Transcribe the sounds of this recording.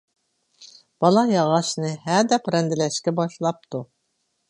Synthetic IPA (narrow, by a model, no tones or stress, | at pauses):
b̥ɑlˠɑjɑʁɑʃnɨɦæd̪ɛpɾɛnd̪ɪlɛʃkʲɛbɑʃlˠɑp̚t̪u